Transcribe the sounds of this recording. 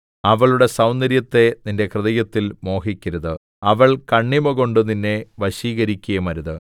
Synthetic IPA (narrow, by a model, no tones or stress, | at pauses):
ɐʋɐɭuɽe̞sɐwnːɐɾjɐt̪ːe̞ninde̞krɨðɐjɐt̪ːilmo̞ːɦikʲːɐɾɐðɨ | ɐʋɐɭkɐɳːimɐɣo̞ɳɖɨninːe̞ʋɐɕiːɣɐɾikʲːujɐmɐɾuðɨ